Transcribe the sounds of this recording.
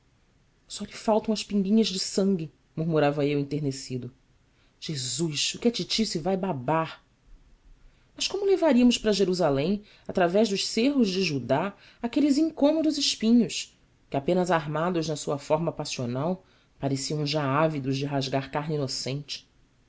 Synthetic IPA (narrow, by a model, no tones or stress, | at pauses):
sɔʎɪfawt̪ɐ̃w̃ɐʃpĩŋɡĩɲɐzd͡ʒɪsɐ̃ŋɡʲɪ | muɾmuɾavɐewĩnt̪eɦnesid̪ʊ | ʒ̥ezuʃʊkʲɪat͡ʃit͡ʃisivajbabaɾ | mɐʃkõmʊlevaɾiɐmʊʃpɾɐʒeɾuzalẽj̃ | at̪ɾavɛʒd̪ʊʃseɦʊzd͡ʒɪʒud̪a | akelɪzĩŋkõmod̪ʊzɪʃpĩɲʊs | kɪapẽnɐzaɾmad̪ʊznɐsuɐfɔɾmɐpasionaw | paɾesiɐ̃w̃ʒaavid̪ʊzd͡ʒɪɦaʒɡaɾkaɦninosẽnt͡ʃɪ̥